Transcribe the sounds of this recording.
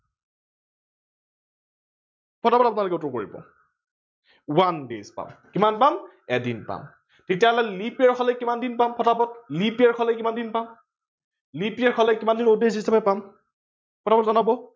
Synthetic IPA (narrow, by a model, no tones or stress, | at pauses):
pʰɔtapɔtap̬unalokɛutɔkoɹḭbɔ̰ | wandezpa̰mkimanpam | ɛdḭnpa̰m | tetijalɔlipɛɹkʰɔlɛkimandinpampʰɔtapɔt̚lipaɹkʰɔlɛkimandinpam | lipiɛɹkʰɔlɛkimandinodesisʰapɛpam | pʰɔtapɔtzanabɔ